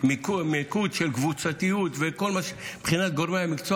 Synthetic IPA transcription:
mkumekud̪ʃelkvut͡sat̪ijut̪vekolmaʃebχinat̪̚ɡoɾmeamikt͡so

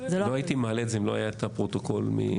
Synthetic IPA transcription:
zelooait̪imaːlezeimloa̰jaet̪apʁot̪oko̞lmḭ

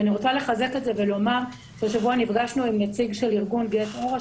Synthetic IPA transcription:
aniʁot͡sale̞χaze̞ketze̞velo̞maʁ | ʃaʃavuanifɡaʃnuimnet͡siɡʃe̞liʁɡunɡetoʁ

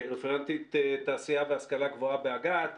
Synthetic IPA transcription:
ʁɛfɛʁant̪it̪t̪aːsiavɛhaskalaɡvoabeaɡat̪

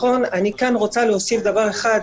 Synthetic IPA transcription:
onanikanʁot͡salehosifd̪avaʁeχad̪

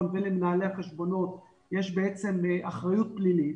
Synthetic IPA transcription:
nvelemenaːleaχeʃbo̞no̞t̪ | jeʃbeet͡se̞mʔaχʁajut̪̚plilit

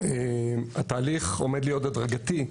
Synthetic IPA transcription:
emat̪aːliχo̞̰med̪lijo̞t̪ad̪ʁaɡat̪i

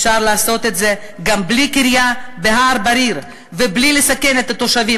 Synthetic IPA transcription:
ʃaʁlaːso̞t̪e̞t̪ze̞ | ɡamblikiɾjabeɦaɾbaɾiʁ | veblilesake̞net̪at̪o̞ʃavi

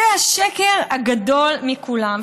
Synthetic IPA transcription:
ehaʃekeʁaɡad̪o̞lmikulam

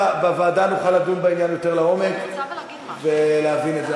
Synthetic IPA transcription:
bavaːdanuχaladunbainjanjo̞te̞ʁlao̞mek | ve̞leavinetze

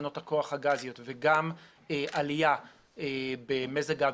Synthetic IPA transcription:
no̞thako̞aχhaɡazijotveɡam | eʔalija | ebemezaɡa

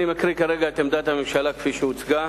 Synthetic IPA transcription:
imakɾikaʁeɡaet̪emd̪at̪amimʃalake̥fiʃeut͡sɡa

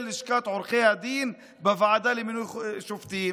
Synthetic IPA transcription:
lɪʃkaːt̪ʕʊɾxejad̪iːn | bæfaʕad̪ælimɪnwiʃuft̪iː

